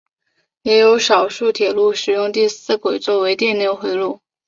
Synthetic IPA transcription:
jɛ˧˥jo˧˥ʊʂɑ˨˩ʊʂu˥˩t̪ʰjɛ˨˩lu˥˩ʂɻ̩˨˩jʊ˥˧ŋt̪i˥˧sɹ̩˥˩kwe˨˩ɪt͡swɔ˥˩we˧˥ɪt̪jɛ˥˧nljo˥˩ʊxwe˧˥ɪlu˥˩

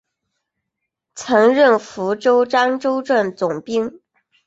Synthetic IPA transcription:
t͡sʰɤ˧˥ŋɻə˥˩nfu˧˥ʈ͡ʂo˥ʊʈ͡ʂa˥nʈ͡ʂo˥ʊʈ͡ʂwə˥˩nt͡sʊ˨˩ŋpi˥ŋ

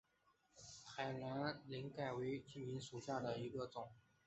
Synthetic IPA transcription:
tʰa˨˩ɪla˧˥nli˧˥ŋka˥˩ɪwe˧˥ɪt͡ɕi˥˩i˧˥nʂu˨˩ɕja˥˩d̪ə˩i˧˥ɡə˧ʈ͡ʂʊ˨˩˦ŋ

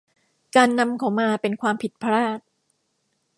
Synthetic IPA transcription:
kaː˧nːa˧mkʰa˨˩˦wmaː˧pe˧nkʰwaː˧mpʰi˨˩t̪̚pʰa˧ɾaː˥˩t̪̚

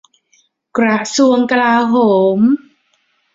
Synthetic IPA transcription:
kɾa˧˩su˧əŋka˧laː˧ɦoː˩˦˩m

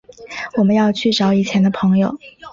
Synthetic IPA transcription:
wɔ˨˩mə˦njɑ˥˧ʊt͡ɕʰy˥˩ʈ͡ʂɑ˧˥ʊi˨˩t͡ɕʰjɛ˧˥nd̪ə˧pʰɤ˧˥ŋjo˨˩ʊ

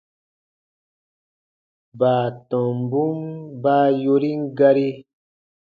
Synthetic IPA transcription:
baː˨tɔ̃˨m˨bu˦mbaː˦jo˧ɾi˦ŋ˦ɡa˧ɾi˦

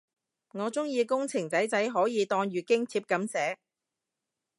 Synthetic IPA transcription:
ŋɔː˨˧t͡sʊ˥ŋjiː˧kʊ˥ŋt͡sʰɪ˨˩ŋt͡sɐ˨˥jt͡sɐ˨˥jɦɔː˨˥jiː˨˧t̪ɔː˧ŋɥyː˨kɪ˥ŋt͡sʰiː˧p̚kɐ˨˥msɛː˨˥

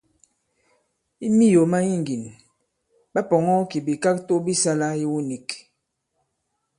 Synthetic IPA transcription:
i˦mi˦jo˨ma˦ji˦˨ŋ˨ɡi˨n | ba˦pɔ˨ŋɔ˦ki˨bi˨ka˦k̚to˦bi˦sa˦la˦ji˦wu˦ni˨k

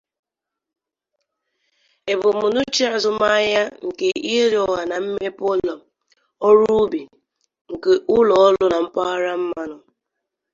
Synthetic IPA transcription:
e˨bʊ˨mʊ˨nʊ˦t͡ʃi˦a˨zʊ˦m˦a˦ja˦ŋ̩˨ke˨i˦ɦe˦ɾɔ˨wa˨na˨m̩˦me˦pɔ˦lɔ˨ | ɔ˦ɾu˦bi˨ | ŋ̩˨ke˨ʔʊ˦lɔ˨ɔ˦lʊ˦na˨m̩˦pa˦ɾa˦m̩˦ma˦nʊ˨

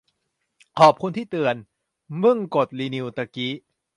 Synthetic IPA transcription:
kʰɔː˨˩p̚kʰu˧nt̪ʰiː˥˩t̪ɯ˨˧ən | mɯ˥˩ŋko˨˩t̪̚liː˧ni˧wt̪a˧ki˦˥

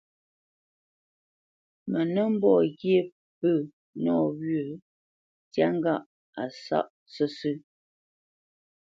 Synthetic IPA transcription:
mə˨nə˦m̩˦bɔ˦˨ɣje˦˨ | pə˦˨ | nɔ˦˨wɥə˨ | tja˦ŋ˦ɡa˦ʔ | a˨sa̰˦˨ʔ | sə˦sʉ˦

